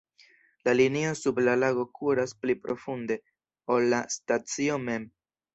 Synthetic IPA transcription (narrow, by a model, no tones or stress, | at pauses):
laliniosublalaɡo̞kʰuɾasplipɾʔo̞funde̞ | o̞lːastat͡sio̞me̞m